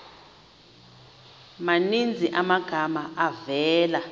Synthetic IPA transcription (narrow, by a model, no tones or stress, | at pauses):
manind͡zʱiʔamaɡ̥ʱamaavɛːla